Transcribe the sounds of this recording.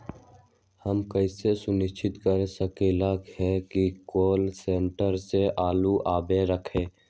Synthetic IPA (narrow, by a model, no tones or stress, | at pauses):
həmkəɪsesʊnɪʃt͡ʃʰɪt̪kəɾesəkeːlakhɛkikoːlsẽːɳʈəɾseʔaːluʔaːbeɾəkʰẽː